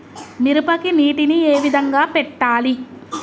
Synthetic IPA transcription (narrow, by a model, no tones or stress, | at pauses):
niɾupɐkiniːʈinieːʋid̪ʱɐŋɡaːpɛʈːaːli